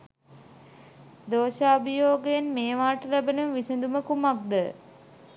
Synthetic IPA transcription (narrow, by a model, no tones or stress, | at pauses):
d̪oːʃaːubəjoːɡəjenmeːʋaːʈəlæbənumʋisənd̪uməkumak̚d̪ə